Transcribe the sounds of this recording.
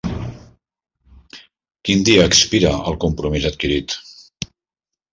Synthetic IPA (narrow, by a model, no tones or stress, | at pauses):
kind̪iəːkspiɾəəlˠkumpɾumizət̪̚kiɾit̪